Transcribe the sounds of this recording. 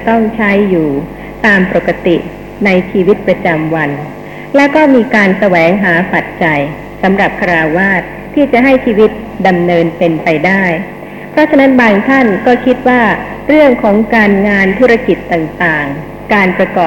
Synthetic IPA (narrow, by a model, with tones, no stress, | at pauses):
t̪ɔ˥˩ŋt͡ɕʰa˦˥jːuː˨˩ | t̪aː˧mpo˨˩kːa˧t̪i˨˩ | na˧jt͡ɕʰiː˧wi˦˥t̪̚pɾa˧t͡ɕa˧mwa˧n | lɛ˦˥kɔː˥˩miː˧kaː˧nsa˧wɛː˩˦ŋɦaː˩˦pa˨˩t̪̚t͡ɕa˧j | sa˩˦mɾa˨˩p̚kʰa˧ɾaː˧waː˥˩t̪̚ʰːiː˥˩t͡ɕa˨˩ʔɦa˥˩jt͡ɕʰiː˧wi˦˥t̪̚ | da˧mnɤː˧npe˧npa˧jdaː˥˩j | pʰɾɔ˦˥t͡ɕʰa˧na˦˥nbaː˧ŋt̪ʰa˥˩nkɔː˥˩kʰi˦˥t̪̚waː˥˩ | ɾɯ˥˩əŋkʰɔː˩˦ŋkaː˧nŋaː˧nt̪ʰu˦˥ɾa˧ki˨˩t̪ːaː˨˩ŋt̪aː˨˩ŋ | kaː˧npɾa˧kɔː˨˩